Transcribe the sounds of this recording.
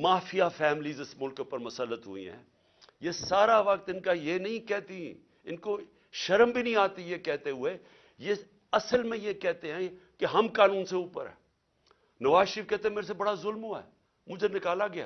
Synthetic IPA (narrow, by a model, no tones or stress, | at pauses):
maːfʰijafʰɛːmɪliːzɪsmʊlkpəɾmɐsəlːət̪ɦʊ̰ḭɦɛ̰̃ː | jesaːɾaʋɐkt̪ɪnkajenɐɦĩkɛːt̪ĩ | ɪnko | ʃɐɾəmbʱinɐĩaːt̪ijekɛːt̪eɦʊe | je | ɐsəlmẽjekɛːt̪eɦɛ̃keɦɐmkaːnũːnseʊːpə̰ɾɦɛ̰̃ː | nɐʋaːzʃəɾiːfkɛːt̪eɦɛ̃meːɾes̬ebɐɽazʊlmɦoːɛ̰ː | mʊd͡ʒʱenɪkaːlaɡɪja̰ː